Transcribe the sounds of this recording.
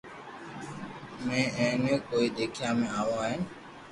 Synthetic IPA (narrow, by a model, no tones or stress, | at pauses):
mẽːʔə̃ːnẽːkoːiːɗ̪eːkʰjãːmẽːaːʋoːaːɦen